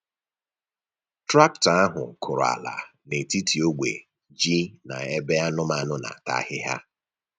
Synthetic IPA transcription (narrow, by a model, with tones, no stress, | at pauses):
tɾa˦k̚ta˦ɦʊ̰˨kʰʊ˨ɾʊ˨a̰˨la̰˨ne˨ti˦ti˨o˦ɡ͡bʷḛ˨ | d͡ʒi˦na̰˨e˦be˦a˦nʊ˦ma˨nʊ˦na̰˨ta̰˦hɪ˦ɦa̰˦